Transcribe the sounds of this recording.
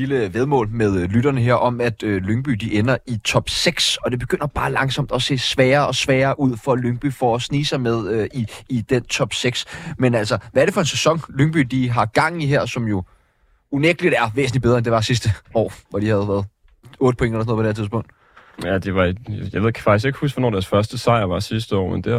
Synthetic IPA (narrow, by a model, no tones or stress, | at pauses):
liləʋeðˠmɔ̰ːlmeð̞ˠlyɾ̥ɐnəɦeɐ̰ʔɒ̽mæd̥øløŋb̥y̰ːd̥iʔenɐit͡sʰɒ̽b̥seɡ̥sɒ̽d̥e̝b̥e̝ɡ̥øn̰ɐb̥ɑ̈ːlɑ̈ŋsɒ̽m̰d̥ɒ̽se̝̰ːsʋɛːɐɒ̽sʋɛːɐːʔuð̰ˠfɒ̽løŋb̥y̰ːfɒ̽ːsniːsɑ̈ɪmeð̞ˠøiːd̥ent͡sʰɒ̽b̥seɡ̥smenæl̰sɒʋæɐɾ̥efɒ̽e̝nsesɒ̽ŋløŋb̥y̰d̥iɦɑ̈ɡ̥ɑ̈ŋ̰n̩iɦæɐ̰sɒ̽mjo̝ | uneɡ̥əlid̥æɐʋḛːsn̩libe̝ðˠɐend̥e̝ʋɑ̈sis̬d̥əɒ̰ːʋɒd̥ihæðˠʋæːɐðˠ | ɔ̽ːɾ̥əpʰoe̝ŋdɐelɐs̬noðˠpʰdeɐt͡sʰiðˠspɔ̽ŋ̰d̥ | æd̥e̝ʋɑ̈jaʋeð̰ˠkʰfɡ̥isɡ̥e̝ɡ̥husɡ̥ʋɒnɒ̰ːd̥æɐsfɶɐsd̥əsɑ̈ɪ̰ɐʋɑ̈sis̬d̥əɒ̰ːmend̥e